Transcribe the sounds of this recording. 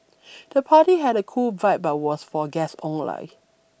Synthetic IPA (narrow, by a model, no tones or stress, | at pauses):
d̥əpʰaːtiɦɛɾəkʰulvaɪt̚bat̚wɔsfɔɡɛsɔ̃ŋla̰ɪ